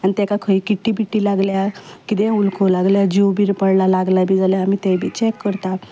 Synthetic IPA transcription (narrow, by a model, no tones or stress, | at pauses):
anit̪ɛkakʰəikiʈːibiʈːilaɡljakit̪eulkʰolaɡljad͡ʑiwbiɾpəɽlalaɡlabʱid͡zaljaːmit̪ebʱit͡ɕekːəɾt̪a